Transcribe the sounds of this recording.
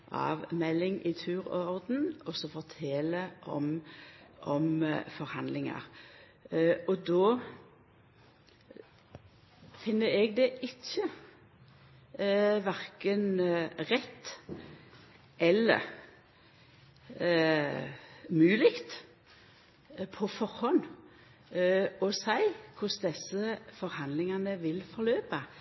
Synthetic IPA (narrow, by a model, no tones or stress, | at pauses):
ʔɑ̰ːʋmɛlːɪŋʔɪt̪ʰʉːɾɔʁd̪n̩ɔsɔfɔt̪ʰeːləʔɔ̰m | ʔɔmfɔɾhɑnd̪lɪŋə̰ʁ | ɔd̪oː | fɪnːəɾɛːɡ̚d̪ɛʔɪçːə | ʋæʁkənʁɛt̪ː | ʔɛlːə̰ʁ | mʉːlɪkt̪ | pʰɔfɔɾhɔn | ɔsæɪkʰʊsd̪ɛsəfɔɾhɑnd̪lɪŋɑnəʋɪlfɔɾløːpə